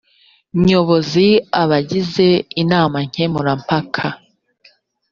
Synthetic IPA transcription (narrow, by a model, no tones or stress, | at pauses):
ɲoβo̞ziaβaɟize̞inaːmaɲ̥hemuɾampakʰa